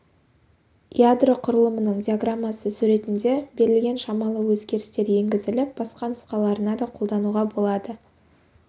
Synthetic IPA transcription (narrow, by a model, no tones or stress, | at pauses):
jad̪roqʰʊɾəlˠəmənəɴd̪ʲiaɡramːasəsʉɾe̞t̪ɪnd̪e̞be̞ɾɪlɡʲe̞nʃɑmɑlˠəwɵzɡʲe̞ɾɪst̪e̞ɾje̞ŋɡʲɪzɪlɪp̚bɑsqɑnʊsqɑlˠɑɾənɑd̪ɑqʰo̞lˠd̪ɑnuʁɑbo̞lˠɑd̪ə